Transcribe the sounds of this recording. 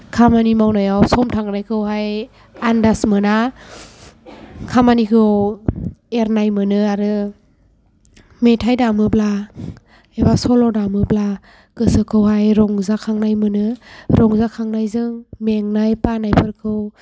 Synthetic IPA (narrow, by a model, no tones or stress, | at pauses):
kʰamanimawnajawsɔmtʰaŋnajkʰɯwɦaj | andasmɯna | kʰamanikʰɯw | eɾnajmɯnɯaɾɯ | metʰajdamɯbla | ebasɔlɔdamɯbla | kɯsɯkʰɯwɦajɾɔŋzakʰaŋnajmɯnɯɾɔŋzakʰaŋnajzɯŋmeŋnajpanajpʰɯɾkʰɯw